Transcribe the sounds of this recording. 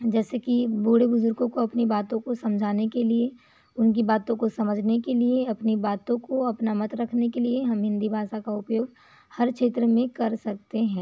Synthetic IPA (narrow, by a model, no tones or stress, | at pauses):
d͡ʒɛːsekibuːɽebʊzʊɾɡõkoɐpnibaːt̪õkosɐ̃md͡ʒʱaːnekelie | ʊnkibaːt̪õkosɐməd͡ʒʱnekelieɐpnibaːt̪õkoɐpnamɐt̪ɾɐkʰnekelieɦɐmɦɪ̃nd̪ʱibʱaːʃakaʊpjoːɡ | hɐɾkʃeːt̪ɾəmẽkɐɾsɐk̚t̪eɦɛ̃ː